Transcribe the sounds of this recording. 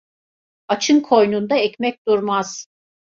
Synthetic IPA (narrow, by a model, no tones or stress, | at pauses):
at͡ʃʰɯnkʰo̞jnund̪aɛcmɛc̚ʲd̪uɾmaz̥